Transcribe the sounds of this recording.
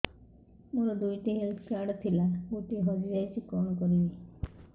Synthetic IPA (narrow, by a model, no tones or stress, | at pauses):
muɾɔd̪ujʈiɦelskaɽɔt̪ʰilauʈiɦɔd͡ʒid͡ʒajsʰikɔɽ̃ɔkɔɾibi